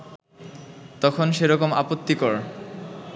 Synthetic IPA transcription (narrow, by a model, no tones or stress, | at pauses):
t̪ɔkʰonʃeɾɔkoma̰pot̪ːikɔɾ